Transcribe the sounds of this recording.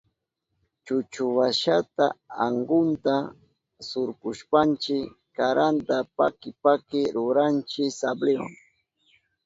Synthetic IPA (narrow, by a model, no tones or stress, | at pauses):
t͡ʃʊt͡ʃʊwaʃat̪a̰aɴɢʊnt̪a | sʊɾkʊʃpant͡ʃɪ | kaɾant̪apa̰kɪpakɪɾʊɾant͡ʃɪsableo̰ŋ